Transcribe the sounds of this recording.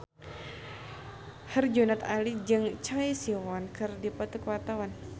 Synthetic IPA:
hərd͡ʒunat̪alid͡ʒɨŋt͡ʃaisiwɔnkɨrdipɔt̪ukwat̪awan

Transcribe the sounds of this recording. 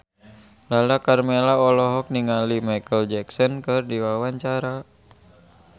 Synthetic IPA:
lalakarmɛlaɔlɔɦɔk̚niŋalimajkəld͡ʒɛksɔnkɨrdiwawaɲt͡ʃaɾa

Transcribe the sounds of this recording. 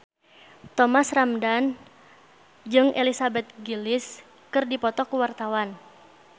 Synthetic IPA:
t̪ɔmasramdan | d͡ʒɨŋʔelisabɛt̪̚ɡilɪs | kɨrdipɔt̪ɔkuwart̪awan

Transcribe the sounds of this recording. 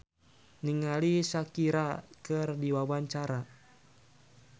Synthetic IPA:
niŋalisakiɾakɨrdiwawaɲt͡ʃaɾa

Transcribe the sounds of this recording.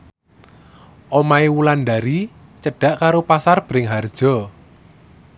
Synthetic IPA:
ʔɔmaewulandaɾi | t͡ʃəɖ̥a̤ʔkaɾopasarb̥əɾɪŋɦard̥ʒ̥ɔ̤

